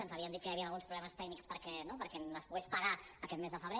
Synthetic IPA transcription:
ənzəβiənd̪it̪̚kəjəβiənəlˠɣunspɾuβlɛməst̪ɛknikspəɾkɛnopəɾkɛnləspuɣɛspəɣaəkɛt̪mezðəfəβɾe

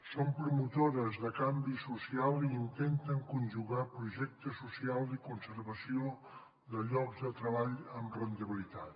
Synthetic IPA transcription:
sompɾumut̪oɾəzðəkambisusialˠiːnt̪ent̪əŋkunʲʒuɣapɾuʒɛk̚t̪əsusialˠd̪əkunsəɾβəsio | ðəʎɔɡzðət̪ɾəβaʎəmrənt̪əβilit̪at̪

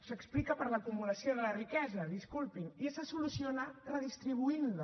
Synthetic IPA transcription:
səksplikəpəɾləkumuləsioðələrikɛzəðiskulˠpiniesasulusionarəðist̪ɾiβ̞uinlu

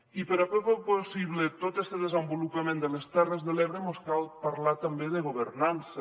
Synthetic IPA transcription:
ipəɾapɾɔpoposiβlet̪ot̪est̪əðəzəmbulupamẽnd̪əlest̪ɛrəzðəleβɾemoskalˠpaɾlat̪ambeðəɣ̞oβ̞əɾnansə

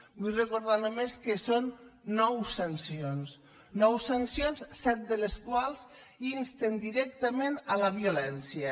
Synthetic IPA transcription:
bujrəkoɾð̞anomeskəsonːɔwsənsions | nɔwsansjonssɛt̪̚d̪ələskwalˠz | inst̪end̪iɾɛk̚t̪əmenələβiulɛnsjə

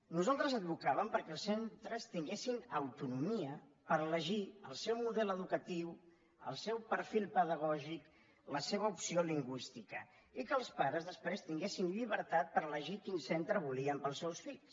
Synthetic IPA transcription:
nuzalˠt̪ɾəzəd̪̚bukaβəmpəɾkɛːlˠsent̪ɾəst̪iŋɡesinəwt̪unumiə | pəɾələʒiəlˠsɛwmuðɛləðukət̪iw | ə̰lˠsɛwpəɾfilˠpəðəɣ̞ɔʒik | ləseβəupsioliŋɡwist̪ikə | ikəːlˠspaɾəzðəspɾest̪iŋɡesinʎiβəɾt̪at̪̚pəɾələʒikinsent̪ɾəβuliəmpəlˠsɛwsfiʎs

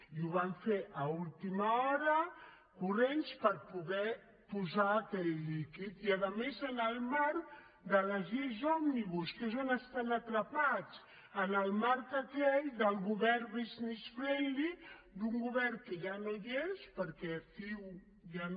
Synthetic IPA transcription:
iuβaɱfeʔəulˠt̪imaɔɾə | kurenspəɾpuɣɛ | puzaːkɛʎːikit̪iaðəmezənəlˠmaɾk | d̪ələʒezɔmniβuskesonəst̪anət̪ɾəpat͡s | ənəlˠmaɾkəkɛʎd̪əlˠɣuβɛrβiznisfɾendid̪uŋɡuβɛrkeʒanojespəɾkɛfiw | ja

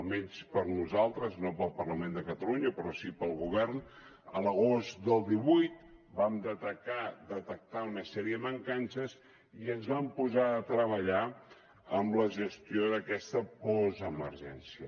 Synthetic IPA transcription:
əlˠmɛɲspəɾnuzalˠt̪ɾəznopəlˠpərləmend̪əkət̪əluɲəpɾɔsipəlˠɣuβɛrn | ələɣozd̪əlˠd̪iβujt̪bamd̪ət̪ək̚ad̪ət̪ək̚t̪aunəsɛɾiəðəməŋkansəz | iənzβampuzaət̪ɾəβ̞əʎa | əmləʒəst̪ioðəkɛst̪əpɔzəməɾʒɛnsiə

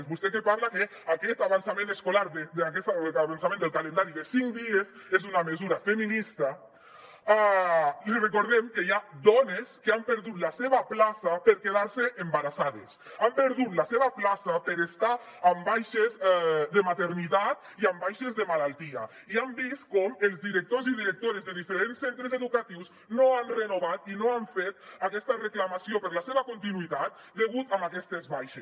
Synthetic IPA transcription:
zβust̪ekepaɾlake | akɛt̪aβansamẽneskolaɾd̪eakɛaβans̬amẽnd̪elˠkalend̪aɾiðesiŋd̪iezezunamezuɾafeminist̪a | alirekoɾð̞emkejad̪ɔneskeampeɾðut̪laseβaplasapeɾkeð̞aɾseʔembaɾasaðesampeɾðut̪laseβaplasapəɾest̪aː | mbajʃezd̪əmat̪eɾnit̪at̪ | iambajʃezðəmalalˠt̪ia̰ | iambist̪kɔmelˠzðiɾek̚t̪oziðiɾək̚t̪oɾezðeðifeɾensːent̪ɾezeðukat̪iws | noanrenoβ̞at̪inoaɱfet̪̚akɛst̪əreklamasiopəɾlaseβɐkont̪inuit̪at̪̚ | d̪eɣut̪amakɛst̪ezβajʃe

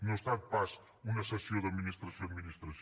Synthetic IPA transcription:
nõst̪ad̪̚pas | unɐsɐsjõd̪ɐðminist̪ɾɐsjõd̪minist̪ɾɐs

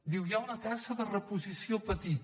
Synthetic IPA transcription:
d̪iwjaunəkazəðərəpuzisiopət̪it̪

